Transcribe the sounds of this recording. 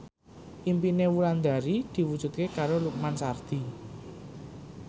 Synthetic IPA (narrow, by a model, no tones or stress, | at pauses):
ʔimpinewuland̪a̤ɾid̪̥i̤wud̥ʒ̥ṳt̪̚kekaɾoluk̚mansard̪̥i